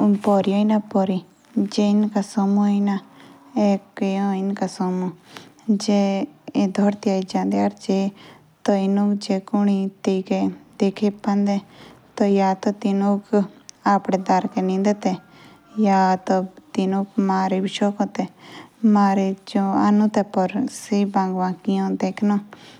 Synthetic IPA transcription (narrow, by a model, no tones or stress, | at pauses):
upɔɾioinapɔɾi | d͡ʒeinkasɔmuina | ekjõinkasɔmud͡ʒe | d̪ʱɔɾt̪iaid͡ʒãːnd̪eaɾd͡ʒe | t̪oinukd͡ʒekuɳ̃it̪eked̪ekʰepːɐ̃nd̪et̪ojaːt̪ot̪ɪnũkaːpɽed̪aɾkenĩːnd̪et̪e | jaːt̪ot̪ɪnũkmaːɾebɪʃoːkõt̪ɛmaːɾed͡ʒõa̰nũt̪ɛpɔɾsibãːŋɡʋãːkijõd̪eːkʰno